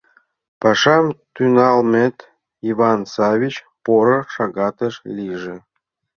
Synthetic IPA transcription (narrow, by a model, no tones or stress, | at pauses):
pɑʃɑmt̪ynɑlmʲet̪ | ivɑnsɑvʲit͡ɕ | poɾŏʃɑɡɑt̪əʃlʲiʒĕ